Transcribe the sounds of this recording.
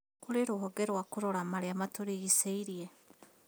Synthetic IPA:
koɾeɾoɦɔɡɛɾwakoɾoɾamaɾeamatoɾiɣiseiɾie

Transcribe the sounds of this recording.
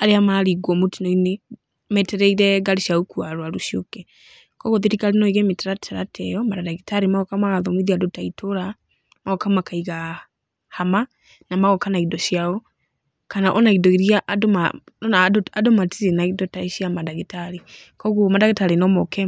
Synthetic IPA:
aɾeamaɾiɡwɔmotinɔine | mɛtɛɾɛiɾɛɡaɾiʃaukuaɾwaɾuʃjokɛ | kɔɣoðiɾikaɾenɔiɣɛmetaɾatʰaɾatʰɛjɔmadadaɣitaɾimaɣɔkamaɣaðɔmiðiadotaitoɾa | maɣɔkamakaiɣa | hama | namaɣɔkanaidɔʃiaɔ | kanaʔɔnaidɔiɾjaʔdomaɔnadadomatiɾenaidɔtaiʃiamadaɣitaɾikɔɣumadaɣetaɾinɔmɔkɛ

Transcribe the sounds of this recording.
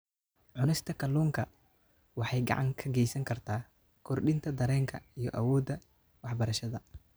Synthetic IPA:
ʕʊnɛst̪ʰɐkʰɐluːŋkʰɐ | wɑħɑjɡɑ̰ʕɑ̰ŋkʰɐɡɛjsɐŋkʰɐrt̪ʰaː | kʰɔrɖɪnt̪ʰɐd̪ɐɾɛːŋkʰɐijɞʔɐwɔːd̪ːɐ | wɑħbɐɾɐʃɐðɐ

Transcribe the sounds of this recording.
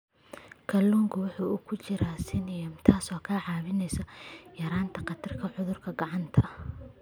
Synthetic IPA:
kʰɐlːuːŋkʰʊwɑħuːʊkʰʊt͡ʃɪɾaːsɪnɪjɐmt̪ʰaːsɔːkʰaːʕɑːβɪnɛjsɐjɐɾaːnt̪ʰɐqɑd̪ʰɐrkʰɐħʊðʊrkʰɐɡɑʕɑnt̪ʰɐ

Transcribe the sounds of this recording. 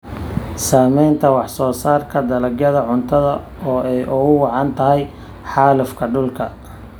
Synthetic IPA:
saːmɛjnt̪ʰɐwɑħsɔːsaːrkʰɐd̪ɐlɐɡɐðɐʕʊnt̪ʰɐðɐ | ɔːʔɛjʔʊɣʊwɑʕɑnt̪ʰɐɦɛj | ħɑːlʊfkʰɐɖʊlkʰɐ

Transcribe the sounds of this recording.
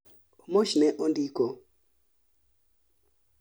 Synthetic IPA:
omoʃnɛʔondiko

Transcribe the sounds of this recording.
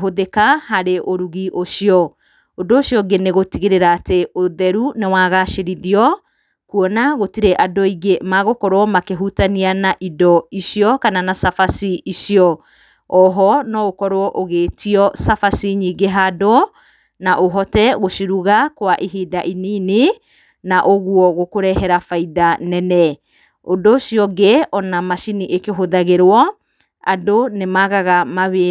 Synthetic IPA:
ɦoðekahaɾeʔoɾuɣiʔoʃiɔ | ondoːʃjɔɡeneɣotiɣeɾeɾaːteoðɛɾunewaɣaʃeɾiðiɔ | kuɔnaɣotiɾɛʔadoiɣemaɣokɔɾwɔmakeɦutanianaʔidɔiʃjɔkananasafasiiʃiɔ | ɔɦɔnɔokɔɾwɔʔoɣeːtiɔsafasiɲiɡeɦado | naʔoɦɔtɛɣoʃiɾuɣakwaʔiɦiːdaʔinine | naʔoɣuɔɣokoɾɛɦɛɾafaidanɛnɛ | ondoːʃiɔɡeɔnamaʃiniʔekeɦoðaɣeɾwɔ | a̰donemaɣaɣamaβe

